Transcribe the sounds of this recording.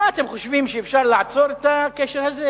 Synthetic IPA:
aat̪emχoʃvimʃeefʃaʁlaʕat͡so̞ɾet̪akeʃeɾhaze

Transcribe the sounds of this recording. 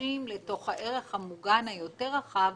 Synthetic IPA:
imleto̞χhaʔe̞ʁeχhamuɡanhajo̞te̞ʁaχav

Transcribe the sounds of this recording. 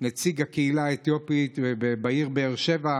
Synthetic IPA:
nat͡siɡakeilaet̪jo̞pit̪ebebaiʁbeːʁʃe̞va

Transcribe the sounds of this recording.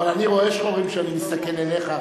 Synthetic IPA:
valaniʁo̞eʃχoʁimʃeanimist̪ake̞lele̞χa

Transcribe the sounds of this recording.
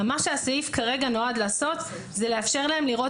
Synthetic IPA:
maʃeasaifkaʁe̞ɡano̞ad̪laːso̞t̪ | zele̞afʃe̞ʁlae̞mliʁo̞

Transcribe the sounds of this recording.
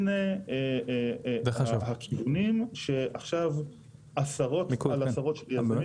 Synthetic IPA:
nee | vhakʰivunimʃeʔaχʃav | ʔasaʁo̞t̪alasaʁo̞t̪ʃeljaa

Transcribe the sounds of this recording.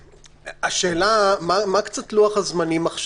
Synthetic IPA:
aʃe̞ːlamamakt͡sat̪luaχhazmanimaχʃ

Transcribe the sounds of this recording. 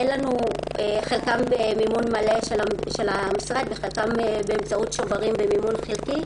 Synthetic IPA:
jelanueχelkambemimunmale̞ʃelaʃelamisʁad̪̚beχelkambeːmt͡saut̪ʃovaʁimbemimunχelki

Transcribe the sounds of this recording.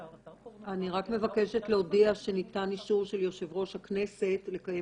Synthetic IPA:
ʔaniʁakme̞vake̞ʃetleodiaʃe̞nitaniʃuʁʃe̞ljo̞ʃevʁo̞ʃhakne̞se̞tle̞kaje

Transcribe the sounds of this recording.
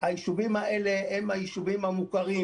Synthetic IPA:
hajiʃuvimae̞le̞hemhajiʃuvimhamukaʁi

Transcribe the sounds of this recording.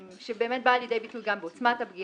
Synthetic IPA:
ʃebeːmet̚baːljed̪e̞jbitulɡambeot͡smatabɡi

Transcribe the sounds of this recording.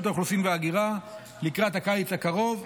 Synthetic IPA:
t̪aoχlusimveaɡiʁa | likʁat̪hakajit͡shakaʁo̞v

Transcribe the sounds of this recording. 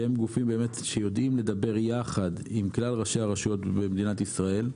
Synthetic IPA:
emɡufimbe̞me̞t̪ʃejo̞d̪ʔimle̞d̪abe̞ʁjaχad̪imklalʁaʃeaʁaʃo̞t̪bemed̪inat̪isʁae̞l

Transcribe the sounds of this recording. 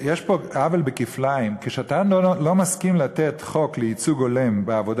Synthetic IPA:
jeʃpoavelbekiflaimkeʃatanllo̞maskimlat̪et̪χo̞kleit͡suɡo̞lembeavo̞d

